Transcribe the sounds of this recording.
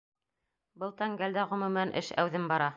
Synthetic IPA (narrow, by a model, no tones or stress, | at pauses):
bɤ̆lˠt̪ɑŋɡæld̪æʁɵ̆mɵ̆mænʔɘ̰ʃæ̰wðɘmbɑɾɑ